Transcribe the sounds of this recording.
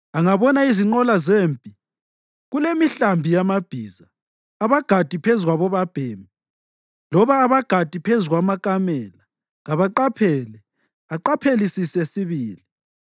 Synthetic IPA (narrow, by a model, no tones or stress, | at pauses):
aŋaβɔnaiziŋ͡ǃɔlazeːmpʼi | ɣulemiɬambʱijamab̥ʱiːzaː | βaɡ̥ʱad̥ʱipʰezuɣaβɔβab̥ʱeːmi | lɔβaːβaɡ̥ʱad̥ʱipʰezuɣwamakʼamɛla | ɣaβaǃapʰɛlɛ | aǃapʰelisisɛsiβiːli